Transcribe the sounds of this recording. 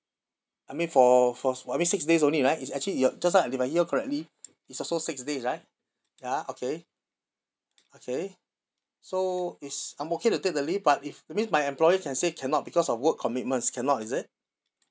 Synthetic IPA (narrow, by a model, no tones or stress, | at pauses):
ajmĩnfɔfɔajĩnsiksdes̬õnliɹaɪtisɛk̚t͡ʃəlijɔd͡ʒas̬lalifajhiəkʰɔɹɛk̚tliː | tsɔsosɪksdesɹaɪt̚ | jaokʰe | okʰe | soitsãɪ̃moketutek̚dəlifbatifɛt̚mĩnsmajɛ̃mplɔjəkʰɛ̃nsekʰɛ̃nɔt̚bikɔsɔfwəkʰːɔmit̚mə̃ntskʰɛ̃nɔtisɪt̚